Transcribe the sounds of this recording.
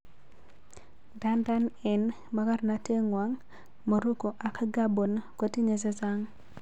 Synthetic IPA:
da˦nda˦nɛ˨n | ma˨ka˦ɾna˨te˦ŋwa˨ŋ | mo˨ɾu˦ko˨ʔa˨kɡa˦bo˨nko˦ti˦ɲe˨se˦za˦ŋ

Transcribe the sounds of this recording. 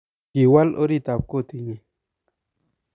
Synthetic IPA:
ki˨wa˦lʔo˦ɾi˦˨t̪a˨p̚ko˦˨t̪i˨ŋi˨

